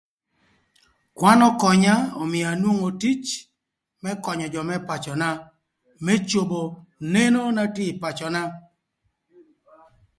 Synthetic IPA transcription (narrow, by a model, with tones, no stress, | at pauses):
kwa˦nɔ˦kɔ˨ɲa˦ɔ˨mɪ˨a˨nwo˦ŋo˨ti˦t͡ʃ | mɛ˦kɔ˨ɲɔ˨d͡ʒɔ˨mɛ˦pa˨t͡ʃɔ˨na˦ | me˦t͡ʃo˨bo˨ne˦no˦na˦tɪ˦˨pa˨t͡ʃɔ˨na˦